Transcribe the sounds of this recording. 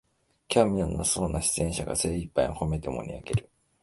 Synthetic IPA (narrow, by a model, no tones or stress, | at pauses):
kʲʰamʲinonaso̞ːnaɕi̥t͡sɨẽ̞ɕaɡa̰se̞ːipːaiho̞me̞t̪e̞mo̰ɲʲḭa̰ɡe̞ɾɯ̟